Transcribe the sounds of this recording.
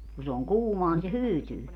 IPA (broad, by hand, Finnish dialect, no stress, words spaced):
ku se oŋ kuːmoɑ ni se hyːtyː